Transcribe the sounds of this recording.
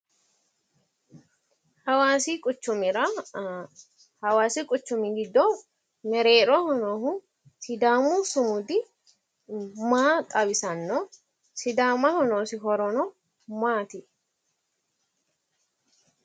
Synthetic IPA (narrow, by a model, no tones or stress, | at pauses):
hɐwaːsikʼʊt͡ʃːʊmɪɾɐ | hɐwaːsɪkʼʊt͡ʃːʊmɪɡɪd̪ːɔ | mɛɾeːɾɔhɔnoːɦʊ | sɪd̪aːmusʊmʊd̪ɪ | maːt̪ʼɐbɪsɐnːɔ | sɪd̪aːmɐhɔnoːsɪɦɔɾɔnɔ | maːt̪ɪ